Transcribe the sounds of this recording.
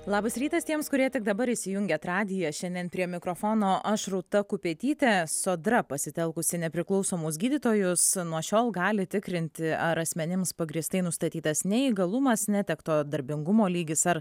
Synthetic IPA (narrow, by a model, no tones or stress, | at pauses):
lˠɑːbɐsɾʲiːt̪ɐst̪ʲiɛmskʊɾʲiɛt̪ʲɪk̚d̪ɐbɐɾɪsʲɪjʊŋʲɡʲɛt̪ɾɑːd̪ʲɪjɛʃʲɛnʲd̪ʲiɛnpʲɾʲiɛmʲɪkɾoːfoːnoːʔɐʃɾʊt̪ɐkʊpʲeːt̪ʲiːt̪ʲɛsoːd̪ɾɐpɐsʲɪt̪ʲɛlˠkʊsʲɪnʲɛpʲɾʲɪklˠɒʊsoːmʊsɡʲiːd̪ʲiːt̪oːjʊsnuɔʃʲoːlˠɡɑːlʲɪt̪ʲɪkɾʲɪnʲt̪ʲɪɐɾɐsʲmʲɛnʲɪmspɐɡɾʲiːst̪ɐɪnʊst̪ɐt̪ʲiːt̪ɐsnʲɛiːɡɐlˠʊmɐsnʲɛt̪ʲɛkt̪oːd̪ɐɾʲbʲɪŋɡʊmoːlʲiːɡʲɪsɐɾ